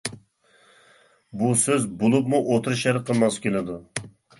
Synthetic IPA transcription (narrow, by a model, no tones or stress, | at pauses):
busøzbolˠupmuʔot̪ʰɨɾɨʃæɾqʰəlˠmɑskʲenɪd̪u